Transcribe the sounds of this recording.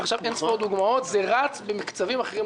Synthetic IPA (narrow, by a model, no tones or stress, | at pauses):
aχʃavensvoʁd̪uɡmaot̪zeʁat͡sbemikt͡savimaχeʁim